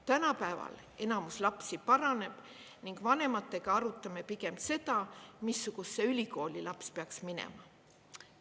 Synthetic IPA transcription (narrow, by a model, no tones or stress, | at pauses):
t̪ænɑpæevɑ̰l | e̞nɑmuslɑpsipɑɾɑne̞b̥ | niŋɡ̥vɑne̞mɑt̪ːˑe̞ɡ̥ɑɑɾut̪ːˑɑme̞piɡe̞mse̞d̪ɑmisːuɡ̥usːe̞ylʲiko̞ːlʲilɑpspeɑksminḛmɑ